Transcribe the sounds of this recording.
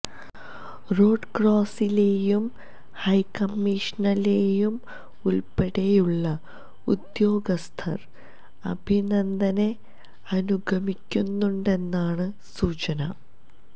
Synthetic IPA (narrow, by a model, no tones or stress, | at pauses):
ro̞ːɖkroːsile̞ːjum | hɐjkːɐmːiʂnɐle̞jum | ulpɐɽejuɭːɐ | ud̪jo̞ːɡɐst̪ʰɐ̰r | ɐ̰bʱinɐnd̪ʱɐne̞ | ɐnuɡʱɐmikʲːunːuɳɖe̞nːaːɳɨ | suːt͡ɕɐnɐ